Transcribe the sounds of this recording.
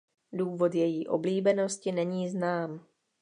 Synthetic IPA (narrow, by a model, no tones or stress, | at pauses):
duːvo̞t̪jɛjiːʔo̞̰bliːbɛno̞scɪnɛɲiːznaːm